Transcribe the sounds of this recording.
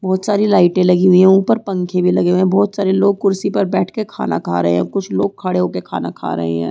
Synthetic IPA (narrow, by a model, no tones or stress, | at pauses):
bɔːt̪saːɾilaːɪʈẽlɐɡiɦʊiɦɛ̃uːpəɾpɐ̃ŋkʰẽbʱilɐɡeɦuɦɛ̃bɔːt̪saːɾiloːɡ̚kʊɾsipɐɾbɛːʈʰkekʰa̰ːna̰kʰa̰ːɾɐɦḛ̃ɦɛ̰̃ːkʊt͡ʃʰloːɡ̚kʰɐɽeɦoːkekʰa̰ːna̰kʰa̰ːɾɐ̰ɦḛɦɛ̰̃ː